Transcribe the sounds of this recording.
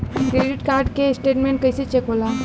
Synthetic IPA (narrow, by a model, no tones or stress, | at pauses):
kɾeɖiʈkaɾɖkesʈeːʈmẽɳʈ̚kəjset͡ʃekɦolaː